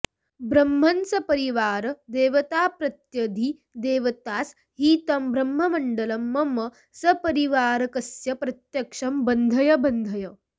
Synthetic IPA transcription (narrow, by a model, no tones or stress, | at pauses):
bɾɐmːɐnsɐpɐɾiʋaːɾɐd̪eːʋɐt̪aːpɾɐt̪jɐd̪ʱi | d̪eːʋɐt̪aːs | ɦiːt̪ɐmbɾɐmːɐmɐɳɖɐlɐmːɐmɐ | sɐpɐɾiʋaːɾɐkɐsjɐpɾɐt̪jɐkʂɐmbɐnd̪ʱɐjɐbɐnd̪ʱɐjɐ